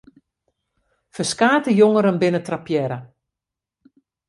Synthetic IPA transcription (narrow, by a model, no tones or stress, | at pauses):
fəskaːtəjoŋəɾənbɪnətrapjɛɾə